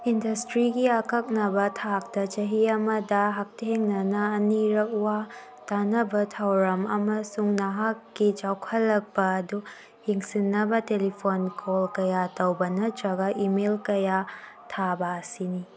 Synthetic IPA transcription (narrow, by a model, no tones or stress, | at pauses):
indɐstɾiɡiɐkɐk̚nɐbɐtʰak̚tɐt͡ʃɐɦiɐmɐdɐɦak̚teŋnɐnɐːniɾɐk̚uwa | tanɐbɐtʰawɾɐmɐmɐsuŋnɐɦakːit͡ʃawkʰɐlːɐk̚bɐːdu | hiŋsinːɐbɐtelipʰonkʰolkɐjatowbɐnɐtɾɐɡɐʔimelkɐja | tʰabɐːsini